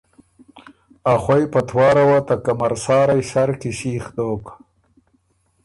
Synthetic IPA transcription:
axwajpat̪ʰwɑːɾawat̪akamɐɾsɑːɾajsaɾkiɕiːxd̪oːk

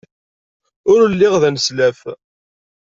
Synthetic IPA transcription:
ʊɾəlːiɪʁðænslæf

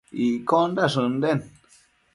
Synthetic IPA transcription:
ikondaʂɨ̃nd̪en

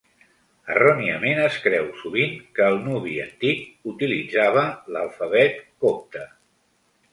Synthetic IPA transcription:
ə̰roniəmenəskɾɛwsuβ̞iŋkəːlˠnuβiənt̪ik̚ut̪ilid͡zaβ̞ələlˠfəβɛt̪kop̚t̪ə

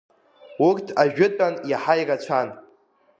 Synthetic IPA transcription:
urtʰaʒᶣʊtʼanjaħajrat͡ɕʷʰan

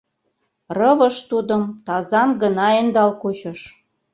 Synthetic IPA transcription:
rɤvə̆ʃt̪ud̪ə̆mt̪ɑzɑnɡənɑend̪ɑlkut͡ɕə̆ʃ

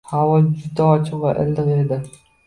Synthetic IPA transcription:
havɒd͡ʒʊd̪aɒt͡ʃʰɪqvaʔɪ̰ld̪ɨqed̪ɪ

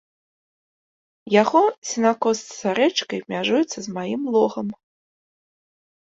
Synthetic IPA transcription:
jaɣɔsʲinakɔst̪saɾɛt͡ʂkɐjbmʲaʐujɛt̪sːɐzmajimlˠɔɣɐm

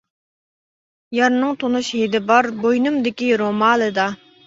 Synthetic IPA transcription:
jɑɾnɨŋt̪ʰonuʃɦed̪ɪbɑɾbojnumd̪ɪkʲiɾomɑːlˠɨd̪ɑ

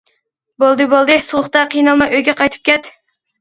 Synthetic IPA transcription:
bolˠd̪ɨbolˠd̪ɨsulˠʊχt̪ɑqʰijnɑlˠmɑjʔøjɡʲɛqʰɑjt̪ʰɨ̥p̚kʲʰɛt̪

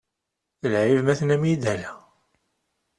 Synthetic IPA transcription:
əlʕivmæθnæmid̪ælæ

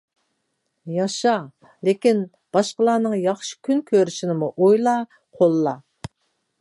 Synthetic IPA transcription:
jɑʃɑ | lekʲin | b̥ɑʃqəlˠɑːnɨŋjɑχʃi̥kʲʰynkʲʰøɾyʃinɪmuʔojlˠɑ | qʰolˠːɑ

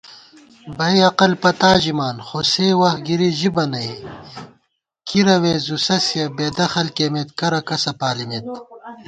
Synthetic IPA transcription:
bɐiɐqɐlpɐt̪aːʑimaːnxoseːwɐxɡiɾiʑibɐnɐi | kʰiɾɐweːzusɐsijɐbeːd̪ɐxɐlkeːmet̪kɐɾɐkɐsɐpaːlimet̪̚

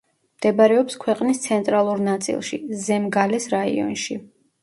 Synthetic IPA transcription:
md̪̥ɛbɾɛɔpskʰwɛqʼnist̪sʰɛnt̪ʼɾalˠuɾnat̪sʼḭlˠʃizɛmɡalɛsɾaḭɔ̰nʃi

